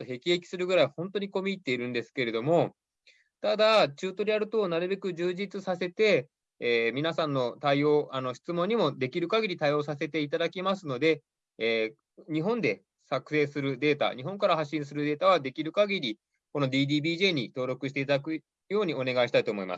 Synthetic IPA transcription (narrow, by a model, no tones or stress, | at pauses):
t̪ːoɦe̞kʲie̞kʲi̥sɨɾɯ̟ɡɯ̟ɾaihõ̞nt̪o̞ɲ̟iko̞mʲiːt̪ːe̞iɾɯ̟̃nd̪e̞sɨ̥ke̞ɾe̞d̪o̞mo̞ | t̪ad̪at͡ɕɨːt̪o̞ɾʲiaɾɯ̟t̪o̞naɾɯ̟be̞kɯ̟ʑɨːʑit͡sɨsase̞t̪e̞ː | mʲinasãnːo̞t̪aio̞ːʔano̞ɕi̥t͡sɨmõɲ̟ːimo̞d̪e̞kʲiɾɯ̟kaɡʲiɾʲit̪aio̞ːsase̞t̪e̞it̪ad̪akʲimasɨno̞d̪e̞ | ɲ̟iɦõ̞nd̪e̞ | sakɯ̟̥se̞ːsɨɾɯ̟d̪e̞ːt̪a̰ɲ̟iɦõ̞ŋkaɾaɦaɕːĩɰ̃s̬ɨɾɯd̪e̞ːt̪aβ̞ad̪e̞kʲiɾɯ̟kaɡʲiɾʲi | ko̞no̞d̪ʲiːd̪iːbʲiːʑe̞ːɲ̟it̪o̞ːɾo̞kɯ̟ɕ̬i̥t̪e̞it̪ad̪akɯ̟ | jo̞ːɲ̟io̞ne̞ɡaiɕi̥t̪ait̪oːmo̞ima̰sɨ̥